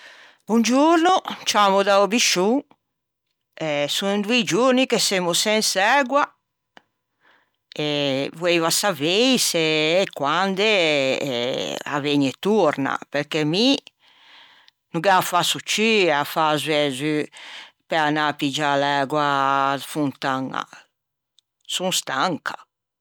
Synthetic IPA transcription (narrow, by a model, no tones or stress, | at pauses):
und͡ʒuɾnut͡ʃamud̪aobiʃu | ɛsund̪ued͡ʒuɾnikesemusɛnsɛɡwa | evwevasavejseːkwand̪e | a̰veɲet̪uɾna̰peɾkemi | nuɡɛafasut͡ʃiafazvɛzy | peanapid͡ʒalɛɡwafunt̪aŋa̰ | sunst̪aŋkʰḁ